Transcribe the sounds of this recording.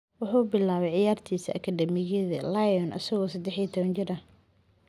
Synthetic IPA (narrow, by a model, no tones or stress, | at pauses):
wʊħuːbɪlaːβɛjʕɪjaːrt̪ʰiːsiʔɐkʰɐd̪ɛmɪɣɪðɐlajɔnʔɐ̰sɐɣɔːsɐd̪ɛħiːt̪ʰɔβɐnt͡ʃɪɾɐ